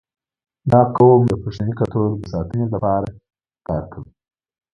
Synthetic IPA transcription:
d̪ɑkawomd̪əpeʂanikat̪oɾd̪əsɑːt̪ənelapɑɾa | kɑːɾkʰawi

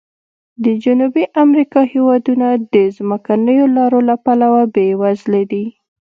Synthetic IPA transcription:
d̪əd͡ʒanubiʔamɾikɑhewɑd̪unad̪əzməkanəjolɑɾolapalawabewazled̪i

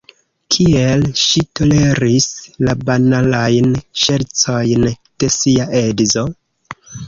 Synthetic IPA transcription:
kʰie̞lʃito̞le̞ɾislabanalajnʃe̞ɾt͡so̞jnd̥e̞siaʔe̞dzo̞

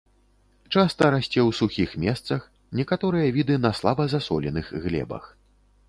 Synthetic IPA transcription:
t͡ʂast̪ɐɾasʲt͡sʲɛwsuxʲixmʲɛst̪sɐx | nʲɛkat̪ɔɾɨjɐvʲid̪ɨnɐslˠabɐzasɔ̰lʲɛnɨxɣlʲɛ̰bɐ̰x

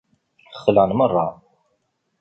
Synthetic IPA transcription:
əχːəlænmərˤːɑ

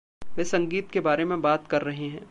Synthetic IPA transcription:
ʋeːsɐ̃ŋɡiːt̪kebaːɾemẽbaːt̪kɐɾːɐɦeɦɛ̰̃ː

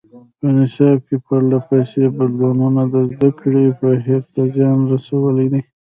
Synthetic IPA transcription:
pənɪsɑb̚kepəɾlapajsebad̪lɑnunad̪əzd̪akɽipəɦeɾt̪azjɑnɾasawəled̪i

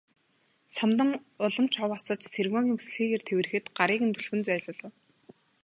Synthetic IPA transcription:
samt̪ə̆ŋ | ʊɮə̆m̥t͡ɕʰɔwasə̆t͡ɕserɣmɔːɣʲiːŋmpu̥sɘ̆ɮxiːɣeːrt̪ʰewɘ̆ɘ̆xɘ̆t̪ɢaɾiːkɘ̆nt̪ʰuɮxɘ̆nt͡sæːɮʊːɮʊ̆w

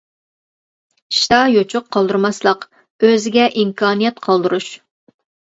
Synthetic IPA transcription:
ʃi̥t̪ʰɑjot͡ʃʰʊqʰːɑlˠd̪uɾmɑslˠəq | øzɪɡʲɛʔimkʰɑːnɨjɛt̪̚qʰɑlˠd̪ɨɾuʃ

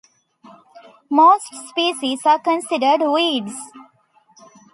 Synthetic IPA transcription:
moːsʈspiːsizaːɾkə̃nsɪɖəɾɖʋiːɖz

